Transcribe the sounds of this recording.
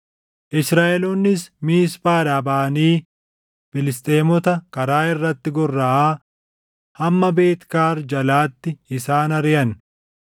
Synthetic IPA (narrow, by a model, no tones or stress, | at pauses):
ʔɪsɾaːʔɛlonːɪsmiːspaːɾaːbaːniː | fɪlɪst̪ʼeːmɔt̪ɐkɐɾaːɪrːɐt̪ːɪɡɔrːɐʔaː | hɐmːɐbeːt̪kaːɾd͡ʒɐlaːt̪ːɪɪsaːnɐɾɪjɐn